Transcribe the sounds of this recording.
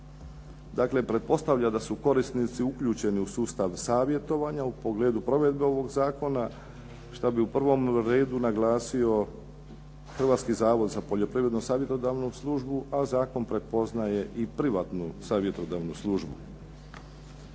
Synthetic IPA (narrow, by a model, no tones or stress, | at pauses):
d̪aːkle̞pɾe̞t̪̚po̞st̪aʋʎad̪asuko̞ɾist̪nit̪siukʎuːt͡ɕe̞niusuːst̪aʋsaːʋje̞t̪o̞ʋaɲaupo̞ɡle̞ːd̪upɾo̞ʋe̞d̪beo̞ʋo̞ɡzaːko̞na | ʃt̪abiupr̩ʋo̞mɾe̞ːd̪unaɡlaːsio̞ | xr̩ʋaːt̪skizaːʋo̞d̪zapo̞ʎo̞pɾiʋɾe̞d̪nusaːʋje̞t̪o̞d̪aʋnuslˠuʒbuazaːko̞npɾe̞t̪̚po̞znaje̞ʔipɾiʋaːt̪nusaːʋje̞t̪o̞d̪aːʋnuslˠuʒbu